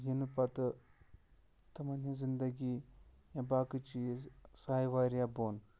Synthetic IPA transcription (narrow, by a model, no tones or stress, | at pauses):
jenupat̪ə | t̪ɐmɐnĩzind̪əɡi | jãbakɨt͡ʃisɐɦajʋaɾjabon